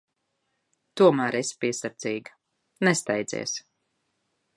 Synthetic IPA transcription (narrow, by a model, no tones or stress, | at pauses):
t̪uɔmæːɾespiɛsaɾd̪ziːɡ | nɛst̪ɛjd̪zḭːs